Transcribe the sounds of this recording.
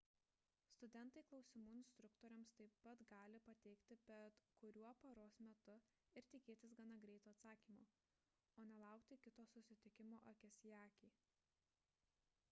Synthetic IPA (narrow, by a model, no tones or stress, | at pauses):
st̪ʊd̪ʲɛnt̪ɐɪklˠɒʊsʲɪmuːɪnʲsʲt̪ɾʊkt̪oːɾʲɛmst̪ɐɪpːɐt̪ɡɑːlʲɪpɐt̪ʲɛɪkt̪ʲɪbʲɛt̪kʊɾʲuɔpɐɾoːsmʲɛt̪ʊ | ɪɾt̪ʲɪkʲeːt̪ʲɪsɡɐnɐɡɾʲɛɪt̪uːɐt̪sɑːkʲiːmoː | oːnʲɛlˠɑˑʊkt̪ʲɪkʲɪt̪oːsʊsʲɪt̪ʲɪkʲɪmoːʔɐkʲɛsʲjɑːkʲiː